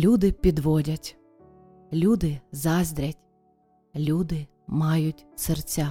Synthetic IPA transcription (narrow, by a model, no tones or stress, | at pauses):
lʲud̪ɪpʲid̪ʋɔdʲɐtʲ | lʲud̪ɪzɑzʲd̪ʲɾʲɐtʲ | lʲud̪ɪ | mɑjʊtʲsert͡sʲa